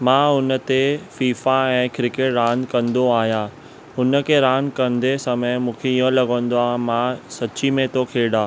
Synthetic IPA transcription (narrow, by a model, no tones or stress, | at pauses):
mãːʊnə̆t̪efiːfaɛ̃ːkɾɪkeʈɾãːnd̪kɐ̃nd̪oaːɦijãː | ʊnə̆kʰeɾãːnkɐ̃nd̪esɐməmũːkʰeijə̃lɐɡə̃ːn̆d̪oaːɦmãsɐt͡ɕimẽt̪ʰokʰeːɗaː